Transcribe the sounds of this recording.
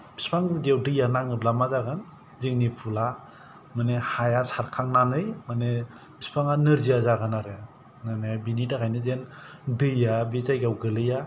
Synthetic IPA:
b̥i̥spʰaŋdewdɯjanaŋɯblamazaɡan | zɯŋnipʰula | manehajasaɾkʰaŋnanɯjmane | b̥ispʰaŋanɯɾzijazaɡanaɾɯ | nanebinidakʰajnɯzendɯjabizajɡawɡɯlɯja

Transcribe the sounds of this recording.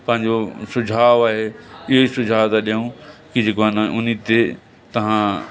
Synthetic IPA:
pɐ̃ɦɪ̃ɲd͡ʑosʊd͡ʑʱaːʋaːɦeɪɦoisʊd͡ʑʱaːʋt̪aɗijũkid͡ʑeːkoanʊnit̪e | t̪ɐʋ̤ã

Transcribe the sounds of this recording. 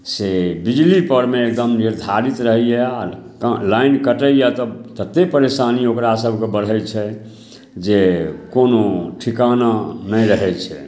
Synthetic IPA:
sebid͡ʒlipəɾmeek̚d̪əmniɾd̪ʱaɾit̪ɾəɦijɛaklajnkəʈəjat̪ɔt̪ət̪ːepəɾesaniokɾasəbʱkebəɽ̤ɛjt͡ʃʰɛ | d͡ʒekonoʈʰikananəjɾəɦɛt͡ʃʰɛ

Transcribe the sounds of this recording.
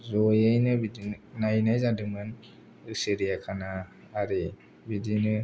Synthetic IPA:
zɔjajnɯbidinajnajzadɯmɯn | ɯseɾijakʰanaː | ɾe | bidinɯ

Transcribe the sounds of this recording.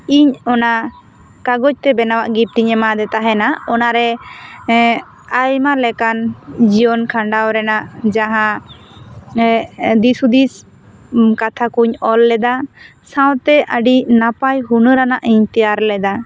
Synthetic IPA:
iɲɔna | kaɡɔt͡ʃ̚t̪ɛbɛnawaʔɡip̚t̪iɲɛmad̪ɛt̪aɦɛnaɔnaɾɛ | ajmalɛkand͡ʒijɔnkʰaɳɖawɾɛnaʔd͡ʒaɦã | d̪isud̪is | kat̪ʰakuɲɔlːɛd̪a | sãwt̪ɛʔəɖinapajɦunəɾanaʔiɲt̪ɛjaɾlɛd̪a

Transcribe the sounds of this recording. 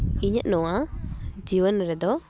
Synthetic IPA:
iɲəʔ̪̚nɔwad͡ʒiwənɾɛd̪ɔ

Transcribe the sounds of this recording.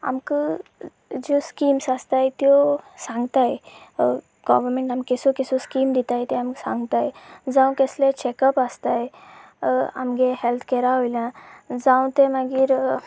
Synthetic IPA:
a̰mkə | d͡ʑoskimsast̪ajt̪jɔsãŋɡt̪aje | ɡ̥ɔʋəɾmẽɳʈamkesokesoskiːmd̪it̪ajt̪ɛamksã̰ŋɡt̪ajd͡zãw̃kɛslet͡ɕekəpast̪aj | a̰mɡeɦelt̪ʰkɛɾaɦojlãd͡zãw̃t̪emaɡiːɾ

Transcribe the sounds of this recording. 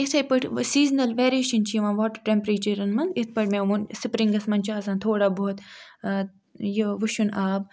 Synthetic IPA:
it̪ʰɐjpəʈʰsiːznɐlʋeːɾeːʃɐnt͡ʃʰiːʋãːnʋoːʈəɾʈempɾeːt͡ʃiɾɐnmɐnd̪it̪̚ʰpɐʈʰmẽːʋunsɨpɾĩŋɡɐsmɐnt͡ʃʰaːsãːnt̪ʰoːɽaːboːt̪ | joʋɨʃunaːb

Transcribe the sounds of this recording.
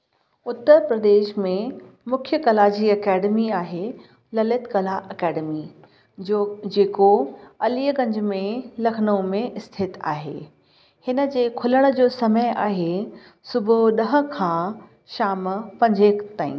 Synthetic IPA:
ʊt̪ːəɾpɾɐd̪eːʃmẽ | mʊkʰjəkɐlad͡ʑiːɐkɛːɖəmiaːɦe | lɐlɪt̪kɐlaʔɐkɛːɖəmi | d͡ʑeːkoɐliːəɡɐ̃ɲd͡ʑʱmẽlɐkʰnõmẽʔɪst̪ʰɪt̪a̰ːɦḛː | hɪnə̆d͡ʑeːkʰʊləɽ̃̆d͡ʑoːsɐməjʔaːɦe | sʊbʱʊɗɐɦə̆kʰãː | ʃaːmpɐ̃ɲd͡ʑekt̪aːḭ̃ː

